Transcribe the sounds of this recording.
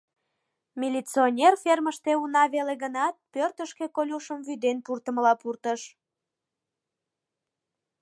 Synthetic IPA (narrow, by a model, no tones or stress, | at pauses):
mʲilʲit͡sionʲerferməʃt̪eunɑβeleɣənɑt̪̚pørt̪əʃkekolʲuʃəmvyd̪enpurt̪əməlɑpurt̪əʃ